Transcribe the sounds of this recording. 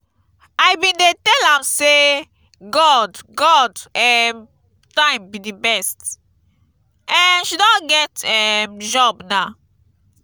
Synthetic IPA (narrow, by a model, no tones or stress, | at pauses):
ajbĩndetɛlãmse | ɡɔdɡɔdɛm | tãɪ̃mbidibɛst | ɛ̃nʃidɔ̃nɡɛtɛmd͡ʒɔbna